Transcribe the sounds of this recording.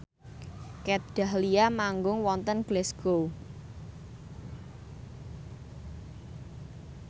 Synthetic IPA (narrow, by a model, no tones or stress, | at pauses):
kɛt̪̚d̥a̤hliamaŋɡʊŋwɔnt̪ənɡ̥lɛsɡ̥o